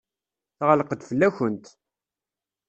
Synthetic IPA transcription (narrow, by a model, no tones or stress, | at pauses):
θʁələqəd̪fəlːæçənt̪